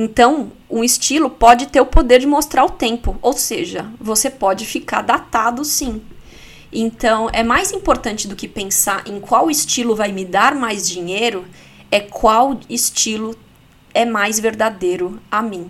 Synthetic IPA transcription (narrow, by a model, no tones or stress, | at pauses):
ẽt̪ɐ̃w̃ũist͡ʃilʊpɔd͡ʒɪt̪eɾʊpod̪eɾd͡ʒɪmost̪ɾaɾʊt̪ẽmpʊowseʒɐvosepɔd͡ʒɪfikaɾd̪at̪ad̪ʊsĩ | ẽnt̪ɐ̃w̃ɛmajzĩpoɾt̪ɐ̃nt͡ʃɪd̪ʊkɪpẽsaɾʔẽkwawɪst͡ʃilʊvajmɪd̪aɾmajzd͡ʒĩɲejɾʊ | ɛkwawɪst͡ʃilʊ | ɛmajzveɾd̪ad̪ejɾʊamĩ